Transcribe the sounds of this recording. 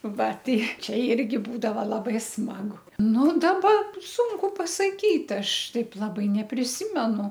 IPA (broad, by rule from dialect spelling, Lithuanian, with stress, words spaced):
ˈʋɐ ˈtɐɪ ˈt͡ʃʲɛ ˈɪrʲɡʲɪ ˈbuːdɐʋɐ lˠɐˈbɐɪ ˈsmɑːɡʊ ˈnʊ dɐˈbɐ ˈsuːŋkʊ pɐsɐˈkʲiːt ˈɐʃ ˈtɐɪp lˠɐˈbɐɪ nʲɛpʲrʲɪˈsʲɪmʲɛnʊ